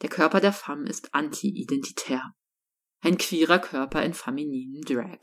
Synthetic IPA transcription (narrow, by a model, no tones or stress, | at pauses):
d̥eːɐkʰœɐpɐdeːɐfamɪ̰stʔantʰiʔidɛntʰi̥tʰɛːɐ | ʔaɪnkʰv̥iːʁ̞ɐkʰœɐpɐɪnfaminiːnəmdʁɛ̰k